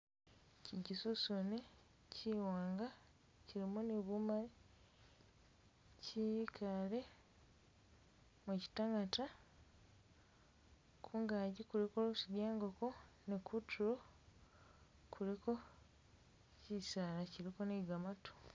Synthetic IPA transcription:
ciɟisusune | cʰiwaːŋɡa | ciɾimuneβumale | cikʰale̞ | muci̥taŋata | kʰuːŋɡaːɟikulikolosiɡjaːŋɡoko̞ | nekutʰuɾo̞ | kʰuliko̞ | cisaːlaciɾiko̞neɡamatʰo̥

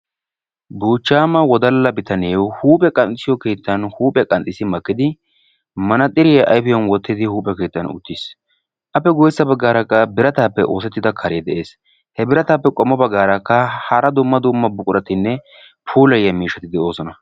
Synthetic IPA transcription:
buːt͡ʃːaːmɐwɔd̪ɐlːɐbɪt̪ɐneːwhuːpʼɛkʼɐnt̪ʼɪsɪjɔke̞ːt̪ːɐnhuːpʼɛkʼɐnt̪ʼɪsɪmɐkːɪd̪ɪ | mɐnɐt̪ʼɪɾɪjɐʔɐjfɪjɔnwɔt̪ːɪd̪ɪhuːpʼːɛke̞ːt̪ːɐnʊ̰t̪ːɪs | ʔɐpːɛɡɔjsːɐbɐɡːaːɾɐkːɐbɪɾɐt̪aːpːɛʔo̞ːsɛt̪ːɪd̪ɐkʰɐɾeːd̪ɛʔe̞ːs | hɛbɪɾɐt̪aːpːɛkʼɔmːɔbɐɡːaːɾɐkːɐhɐɾɐd̪ʊmːɐd̪ʊmːɐbʊkʼʊɾɐt̪ɪnːɛ | pʰuːlɐjːɐmiːʃɐt̪ɪd̪ɛo̞ːsɔnɐ

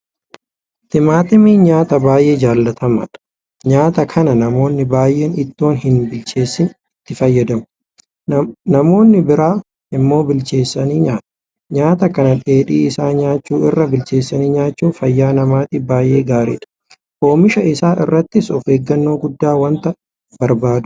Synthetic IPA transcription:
t̪ɪmaːt̪ɪmiːɲaːt̪ɐbaːjʔe̞ːd͡ʒaːlːɐt̪ʰɐmɐ̰ᶑɐ̥ | ɲaːt̪ɐkʰɐnɐnɐmo̞ːnːɪbaːjʔe̞ːnɪt̪ːo̞ːnɦɪnbɪlt͡ʃe̞ːsːɪn | ɪt̪ːɪfɐjːɐd̪ɐmʊ | nɐmo̞ːnːɪbɪɾaː | ɪmːo̞ːbɪlt͡ʃe̞ːsːɐniːɲaːt̪ɐ̥ | ɲaːt̪ɐkɐnɐᶑ̪ʼeːᶑiːɪsaːɲaːt͡ʃːuːɪrːɐbɪlt͡ʃe̞ːsːɐniːɲaːt͡ʃːuːfɐjːaːnɐmaːt̪ɪbaːjʔe̞ːɡaːɾḭᶑɐ̥ | ʔo̞ːmɪʃɐɪsaːʔɪ̰rːɐt̪ːɪsɔfeːɡːɐnːo̞ːɡʊd̪ːaːwɐnt̪ɐ | bɐɾbaːd̪ʊ̥

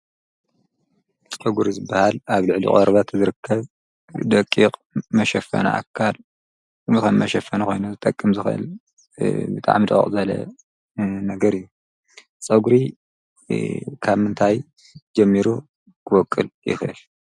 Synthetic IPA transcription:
sʼɐɡuɾizɨbahalaβlɨʕlḭχʼoɾβat̪zɨɾɨkʰːɐβ | d̪ɐkʼːiqʼmɐʃɐfɐ̰na̰ʔa̰kʰːal | mɨkɐnmɐʃɐfːɐnɐkʰo̞̰jnuzɨt̪ʼɐkʼːɨmzɨxʔɨ̰l | bɨt̪ʼa̰ʕmid̪kʼḭχʼzɐlɐ̰ | nɐɡɐɾɨjːu | t͡sʼɐɡuɾi | kʰaβmɨnt̪ʰaj | d͡ʒɐmːiɾu | kʰɨwɔkʼːɨljɪ̰xɨ̰l

